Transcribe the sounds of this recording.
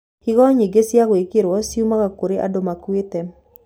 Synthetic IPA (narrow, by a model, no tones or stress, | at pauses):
kɪɡɔɲiɡesjakwekɪɾwɔsjumakakoɾeʔa̰domakwɪt̪ɛ